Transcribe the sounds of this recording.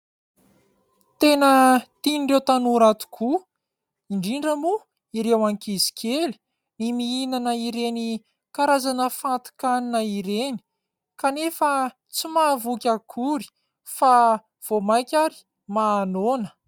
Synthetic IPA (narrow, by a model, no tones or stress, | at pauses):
t̪enət̪iniɳɖ͡ʐewt̪anuɾat̪u̥kʰu | iɳɖ͡ʐiɳɖ͡ʐəmu | iɾewaŋkizi̥kʲʰeli̥ | nimiinanəiɾeni | kaɾazanəfant̪i̥kaninaiɾeni̥ | kanefə | t͡simavukʲakʰuɾi̥ | fa | v̥omajkʲaɾi̥ | maːnonə̥